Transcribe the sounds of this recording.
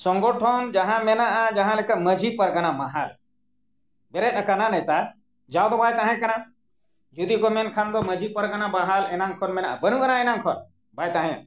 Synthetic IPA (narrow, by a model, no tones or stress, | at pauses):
soŋɡoʈʰomd͡ʒɐɦãmenaʔad͡ʒɐɦãlekamɐd͡ʒʱipɐɾɡɐnamaɦal | beɾeɗɐkananɐjt̪a | d͡ʒawd̪obaːjt̪aɦẽkɐnã | d͡ʒud̪ikomenkʰand̪omɐd͡ʒʱipɐɾɡɐnabaɦalenãŋkʰonmenãa̰bɐnũɡɐnãenãŋkʰɔɾ | bajt̪aɦẽ